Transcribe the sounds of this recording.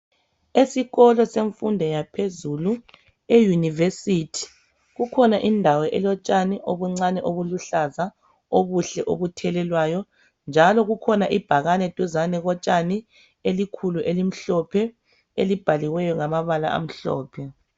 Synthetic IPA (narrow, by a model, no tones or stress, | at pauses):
esiɣɔlɔseɱfundʱɛjapʰezulu | ejunivesitʰi̥ | ɣukʰɔnaʔindʱawɛʔɛlɔt͡ʃʼaniʔoβuŋ͡ǀanɛʔoβuluɬaza | oβuɬɛʔo̰βutʰɛlɛlwajɔ | nd͡ʒʱalɔɣukʰɔnaʔib̥ʱaɣanɛd̥ʱuzanɛɣɔt͡ʃʼani | elikʰuluʔelim̩ɬɔpʰɛ | elib̥ʱaliwɛjɔŋamaβala̰ʔa̰m̩ɬɔ̰ːpʰɛ